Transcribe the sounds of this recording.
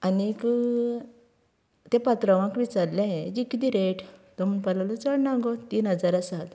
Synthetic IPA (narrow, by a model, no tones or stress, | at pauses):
anik | t̪ẽpat̪ɾəʋãkʋit͡saɾlãɦẽd͡ʑikid̪iɾeʈt̪ɔm̤uɳpəlalɔt͡səɽnãŋɡot̪iːnɦəd͡zaɾasad̪